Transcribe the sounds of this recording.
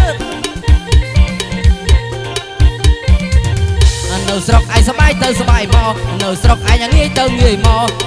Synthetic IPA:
ʔanɨwsrok̚ʔaɛjsaɓaːjt̪ɨwsaɓaːjmɑːnɨwsrok̚ʔaɛjʔaŋiəjt̪ɨwŋiəjmɑː

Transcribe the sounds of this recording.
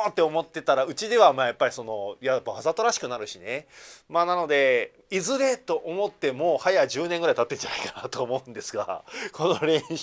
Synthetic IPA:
t̪ːe̞o̞mo̞t̪ːe̞t̪aɾaɯ̟t͡ɕid̪e̞β̞amaːjapːaɾʲiso̞no̞jabβazat̪o̞ɾaɕi̥kɯ̟naɾɯ̟ɕine̞maːnano̞d̪e̞ | izɨɾe̞t̪o̞ʔomo̞t̪ːe̞mo̞ːhajaʑɨːnẽ̞ŋɡɯɾait̪at̪ːe̞d͡ʑanaikḁnat̪o̞ːmo̞ɯ̟̃nd̪e̞sɨɡa̰kʰo̞no̞ɾẽ̞

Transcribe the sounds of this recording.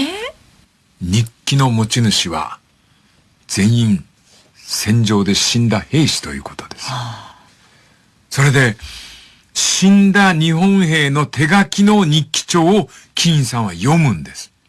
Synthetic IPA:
ɲikʲːino̞mo̞t͡ɕinɯ̟ɕiβa̰ | d͡zẽ̞ɰ̃ĩɴ | sẽ̞ɲ̟d͡ʑo̞ːd̪e̞ɕĩnd̪ahe̞ːɕi̥t̪o̞jɯ̟̰ːko̞̥t̪o̞d̪e̞s | so̞ɾe̞d̪e̞ | ɕĩnd̪aɲ̟ihõ̞ɰ̃he̞ːno̞t̪ʰe̞ɡakʲino̞ɲ̟ikʲːi̥t͡ɕo̞ː | kʲĩɰ̃sãɰ̃βajo̞mɯ̟̃nd̪e̞sɨ̥

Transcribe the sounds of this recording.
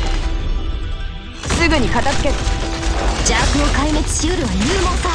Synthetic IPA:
sɨɡɯ̟ɲ̟ikat̪at͡sɨ̥ke̞t̪e̥ | d͡ʑakɯnokaimet͡si̥ɕioɾɯajɯːmosa

